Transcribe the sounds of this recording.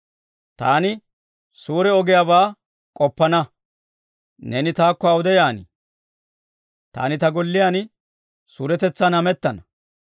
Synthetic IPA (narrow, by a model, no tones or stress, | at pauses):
t̪aːnɪ | suːɾɛɔɡɪjabaː | kʼɔpːɐnɐ | nɛnɪt̪aːkːɔɐwʊd̪ɛjaːnɪ | t̪a̰ːnɪt̪ɐɡɔlːɪjaːn | suːɾɛt̪ɛt͡sːaːnɐmɛt̪ːɐnɐ